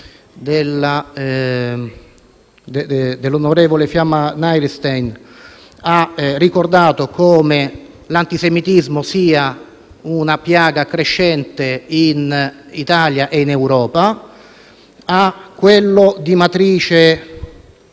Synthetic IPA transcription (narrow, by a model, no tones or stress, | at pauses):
d̪elːa | d̪d̪elːonoɾeːvolefjamːanajɾst̪ejn | arːikord̪aːt̪okoːme | lant̪isemit̪izmosiːa | unapjaːɡakɾeʃːɛnt̪einit̪aːljaʔeinewɾɔːpa | akːwelːod̪imat̪ɾiːt͡ʃe